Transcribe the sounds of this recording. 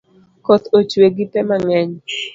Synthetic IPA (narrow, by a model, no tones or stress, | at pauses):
kot̪ot͡ʃweɡɪpɛmaŋɛɲ